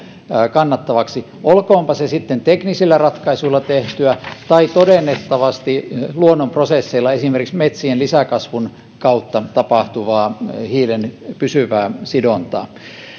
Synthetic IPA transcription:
kɑnːɑt̪ːɑʋɑksi | ʔolkoːmpɑsesit̪ːent̪eknisilːærɑt̪kɑisuilːɑt̪eht̪yæt̪ɑit̪odenːet̪ːɑʋɑst̪iluonːomprosesːeilːɑesimerkiksmet̪sienlisækɑsʋun | kɑut̪ːɑt̪ɑpɑht̪uʋɑːhiːlenpysyʋæːsidont̪ɑ̰ː

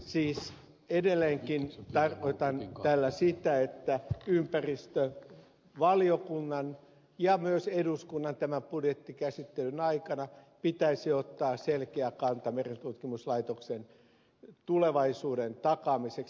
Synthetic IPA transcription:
siːs | edelːeŋkint̪ɑrkoit̪ɑnt̪ælːæsit̪æet̪ːæympærist̪ø | ʋɑliokunːɑn | jɑmyøseduskunːɑnt̪æmæmpudjet̪ːikæsit̪ːelynɑikɑnɑpit̪æisiot̪ːɑːselkeækɑnt̪ɑmerent̪ut̪kimuslɑit̪oksen | t̪uleʋɑisuːdent̪ɑkɑmiseks

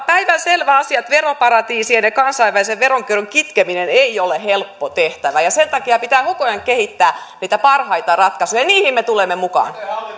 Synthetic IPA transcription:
pæiʋænselʋæɑsiɑt̪ʋeropɑɾɑt̪iːsiɑnekɑnsɑiʋæliseʋʋeɾoŋkyroŋkit̪kemineneiolehelpːot̪eht̪æʋæjɑsent̪ɑkiɑpit̪æːhokojɑŋkehit̪ːæːniːt̪æpɑrhɑit̪ɑrɑt̪kɑsujɑniːhimmːet̪ulemːemukɑ̰ːn

